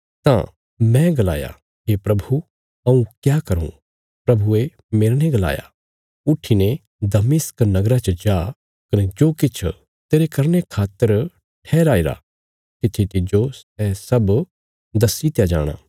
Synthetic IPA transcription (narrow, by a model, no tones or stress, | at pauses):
t̪ã̰ | mɛ̃ɡɐla̰ːja̰ | ɦepɾɐbʱu | ɐũkjaːkɐɾṵ̃ | pɾɐbʱue | meːɾneɡɐla̰ːja̰ | ʊʈʰine | d̪ɐmɪsknɐɡɾat͡ʃd͡ʒaː | kɐnɛd͡ʒoːkɪt͡ʃʰ | t̪eːɾekɐɾnekʰaːt̪ːəɾ | ʈʰɛːɾaːiɾa̰ | t̪ɪt̪ʰːit̪ɪd͡ʒosɛsɐb | d̪ɐsit̪jad͡ʒa̰ːɽ̃a̰ː